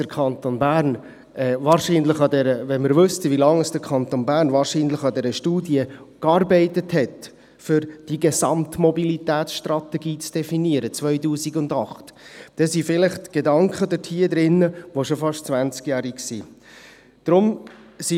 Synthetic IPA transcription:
əkʰɑnt̪onbæːɾn | ɛvɑːɾʃiːnləɪχɑdɛɾəvɛnməɾvʏstəʋilɑŋəsd̥əɾkʰɑnt̪onbæːɾnʋɑːɾʃiːnləχɑdɛɾəʃtuːdiəkɑɾbɛɪtəthɛt | fʏɾd̥iɡɛsɑ̰mtmɔbilitæːtsʃtrɑt̪ɛɡiːt͡sd̥ɛfiniəɾət͡svœʏtuːsiɡʊndɑχtd̥ɛsifɪlɪχtɡ̥edɑŋkχədətʰiːəd̪ɾɪnːəʋoʃofɑʃtt͡svænt͡skjæːɾiksḭː | d̥ɾʊmsi

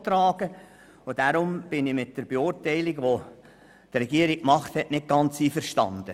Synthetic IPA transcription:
t̪ɾɑːɡə | ʊdaɾʊmb̥ɪnɪmɪt̚d̥əɾb̥eʊːrtɛɪlɪɡʋo | d̥ɾɛɡiəɾikmɑχthɛʔnɪt̚ɡ̥ɑnt͡siːfəɾʃtɑ̰nd̥ə

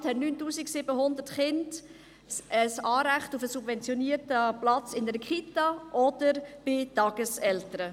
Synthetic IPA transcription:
thɛtnyːntuːsiksibəɦʊnd̪ətχɪnd | əsɑːɾæχtufəsubvɛnt͡sjɔniːrtəplɑt͡sɪnəɾəkχitɑʔɔd̪̥əɾb̥ɪtɑːɡ̥əsɛltəɾə

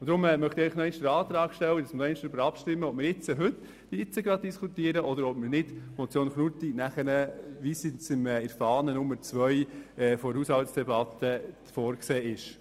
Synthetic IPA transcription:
d̥̪ɾʊmɛmœχt̪ɪɛɪχnoɔɪnd̥̪əɾɑːt̪ɾɑːɡ̥ʃtɛwədɑsmənɔɛɪnʃd̥̪ɾʏbəɾɑpʃtɪmːəɔp̚mɪɾɪt͡səɦʏt̪ː | d̥iɪt͡səɡɾɑd̪̚d̥iskʰut̪iəɾəʔɔd̪əɾɔpməɾnɪd̥̪ɔt͡sjoːnχnut̪inæχənəʋisɪt͡sɪmɛɪɾfɑːnənʊmːəɾt͡sʋœjɛfɔhuːshɑlt̪sd̥ɛbɑt̪ːə | fɔːɾkseːɪʃ

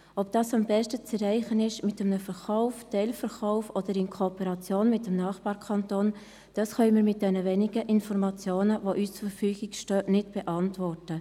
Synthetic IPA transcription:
ɔp̚d̥ɑːsɑmbɛʃtət͡sɛrɛɪχənɪʃmɪtəmnəfəɾχaʊftɛɪlfəɾχaʊfod̥əɾɪnkʰopəɾɑt͡sjoːnmɪt̚əmnɑːχb̥ɑːɾkʰɑntoːn | d̥ɑsχœənmiːɾmɪt̚d̥ɛnəvɛnɪɡəʔɪnfɔɾmɑt͡sjoːnəvoʔyːst͡sufəfyːɡɪɡʃtœːnɪtb̥ɛʔɑntvɔrtə

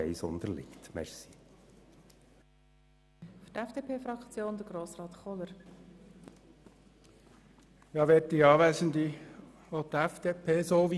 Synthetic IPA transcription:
ɛɪsʊnd̪əɾlɪ̰ktmɛ̰ɾsi̥ | fyɾtɛfd̥epʰeːfɾɑkt͡sjoːnd̪əɡ̥ɾoːsɾɑːt̪χɔləɾ | jɑːʋɛt̚t̪iɑːʋæzənd̪i | ot̪ɛfd̪̥epʰeːsoːʋi

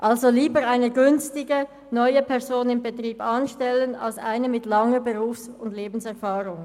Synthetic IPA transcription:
ʔalzoliːbəʁaɪnəɡʏnstɪɡə | nɔʏəpʰɛʁzoːnɪmbetʁiːbɑnʃtɛləna̰lsa̰ɪnəmɪtlɑŋəbəʁuːfsʊndleːbn̩sɛɐfaːʁʊŋ

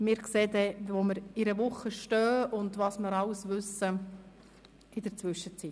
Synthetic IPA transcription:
mɪːɾkseːdɛvoməɾɪɾəvʊχəʃtœːʊnd̪ʋɑːsməɾɑlsvʏsə | ɪdəɾt͡svʏʃət͡sit

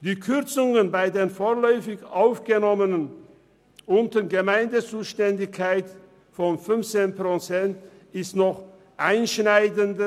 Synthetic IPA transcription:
d̥iːkʰʏɐt͡sʊŋənbaɪdeːnfoːɐlɔʏfɪçʔaʊfɡ̥ənɔmənən | ʔʊntəɡəmaɪndət͡suːʃtɛndɪçkʰːaɪt | fɔnfʏnft͡seːnpʁ̥ot͡sɛnt | ɪstnɔχ | ʔaɪnʃnaɪdəndə

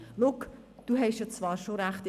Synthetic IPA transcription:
lʊk | d̥uɦɛʃjɔt͡svɑːɾʃoɾæχtɪ

